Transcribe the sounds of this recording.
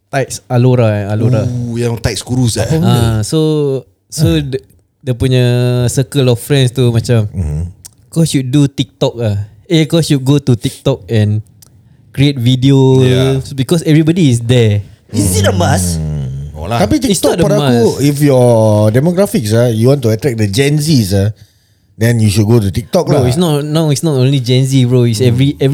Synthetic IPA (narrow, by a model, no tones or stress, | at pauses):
t̪ajt̚saloɾaaloɾajãŋt̪ajt̚skuɾusa̰ãso | so | dəpuɲəsəkəlɔfːɾɛ̃nst̪umãt͡ʃam | kɔʃut̚dut̪ik̚t̪ɔk̚lah | ekɔʃut̚ɡot̪ut̪ik̚t̪ɔk̚ɛ̃n | kɾiet̪̚vidiosbikɔsɛvɹibɔdiːs̬dɛisiəmas | o̰lat̪apit̪iisɔt̚dɔɾaasifjɔdɛmoɡɹafiksajuwɔ̃ntuatɾɛk̚dəd͡ʒɛ̃nsisa | dɛ̃njuʃud̚ɡotut̪ik̚t̪ɔk̚ɹoisnɔtnawitsnɔtõnlid͡ʒɛ̃ns̬iɹoisɛvɹiɛv